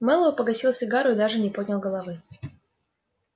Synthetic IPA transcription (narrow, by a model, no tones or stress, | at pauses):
mɛlˠəvʊpəɡɐsʲilˠsʲɪɡaɾʊɪd̪aʐɨnʲɪpodʲnʲəlˠɡəlˠɐvɨ